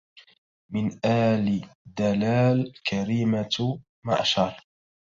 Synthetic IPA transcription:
mɪnʔaːlid̪alaːlkʰaɾiːma | ma̰ʔaʃɑɾˤ

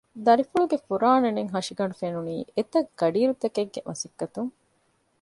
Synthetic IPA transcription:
d̪ɐɾifuɭuɡefuɾaːneneŋɦɐʂiɡɐɳɖufenuniːet̪ɐɡ̥ɐɖiːɾut̪ɐkeɡːḛmʔɐsikːɐt̪uŋ

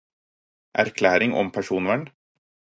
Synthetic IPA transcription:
ʔæ̰ɾkʰlæːɾɪŋʔɔ̰mpʰæʂuːnʋæɳ

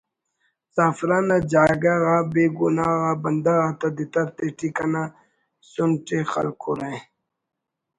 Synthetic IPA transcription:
saːfɾaːnad͡ʑaːɡaɣaːbeːɡunaːɣabɐnd̪aɣat̪ɐd̪it̪ɐɾt̪eʈikɐna | sunʈexɐ̰lkʰuɾẽ

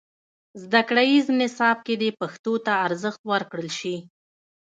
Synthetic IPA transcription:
zd̪akɽajiznɪsɑb̚ked̪epaxt̪ot̪aːɾzəxt̪wəɾkɽəlʃi

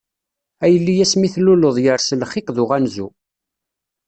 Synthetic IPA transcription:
æjəlːijæsmiθluloðˤjəɾslχiqðʊʁænzu

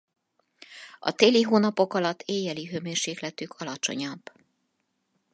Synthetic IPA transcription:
ɒ̰t̪eːliɦoːnɒpo̞kɒlɒt̪ʰːeːjɛliɦøːmeːrʃeːklɛt̪ykʰɒlɒt͡ʃo̞̰ɲɒbː

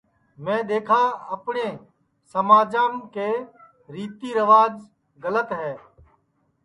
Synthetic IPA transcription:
mɛ̃ːɗ̪eːkʰaːəpɳẽː | səmaːd͡ʒãːmkeː | ɾiːt̪iːɾəʋaːd͡ʒ | ɡələt̪ɦɛː

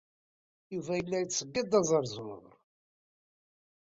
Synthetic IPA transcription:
juvæjəlːæjət͡sːəɡːəd̪ˤɑzˤəɾˤzˤmə̰ðɾ

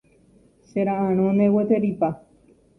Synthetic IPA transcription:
seɾaãɾ̃õnewet̪eɾipa

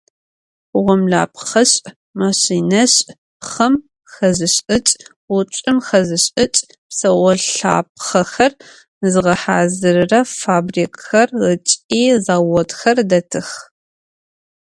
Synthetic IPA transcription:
ʁʷɔmɮa̰ːp̚ʰχɐɕʼ | maɕiːnɐɕʼ | χɐm | xɐzɨɕʼɨt͡ʃʼ | wʷʊt͡ʃʷʼɨmxɐzɨɕʼɨt͡ʃʼ | psɐwɔɬa̰ːp̚χɐxɐr | zɨʁɐħaːzɨɾɨrɐfaːbriːkʼxɐrət͡ʃʼiːzaːwɔtxɐrdɐtʰɨx

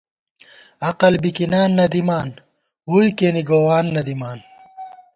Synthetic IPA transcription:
ɐqɐlbikinaːnːɐd̪imaːn | wuːjkeːniɡoːwaːnːɐd̪imaːn

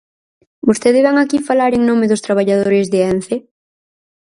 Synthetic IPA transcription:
bost̪eðɪzβaŋakifalaɾeŋnomɪðʊst̪ɾaβ̞aʎað̞oɾɪzðɪɛnθe

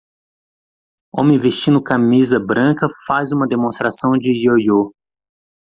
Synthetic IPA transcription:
õmẽj̃veʃt͡ʃĩnd̪ʊkamizɐbɾɐ̃kɐfazũmɐd̪emõst̪ɾasɐ̃w̃d͡ʒɪjojo

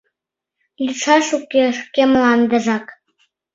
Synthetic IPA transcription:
lʲiʂɑʂukʲːeʂkʲemlˠɑnd̪ɤ̆ʐɑk

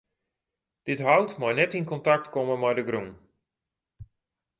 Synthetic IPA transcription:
d̥ɪtɦawtmajnɛtinkɔntak̚tkɔməmajdəɡrun

